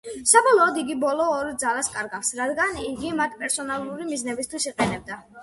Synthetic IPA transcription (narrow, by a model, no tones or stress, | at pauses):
sabɔlˠɔːd̪iɡibɔlˠɔːɾd̪zalˠaskʼaɾɡaksɾad̪ɡaniɡimat̪ʰpʼɛɾsɔnalˠuɾimiznɛbist̪ʰwisiqʼɛnɛb̚d̪a